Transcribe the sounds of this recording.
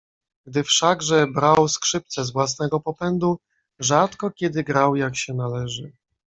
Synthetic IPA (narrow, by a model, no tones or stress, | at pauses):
ɡd̪ɘfʂaɡʐɛbɾawskʂɘp̚t̪sɛzvwas̬nɛɡɔpɔpɛnd̪u | ʐat̪kɔkʲɛd̪ɘɡɾawjakɕɛnalɛʐɘ